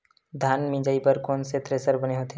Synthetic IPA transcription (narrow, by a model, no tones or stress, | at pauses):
d̪ʱaːnmĩd͡ʒaːipəɾkoːnset̪ɾeːsəɾbɐneɦot̪e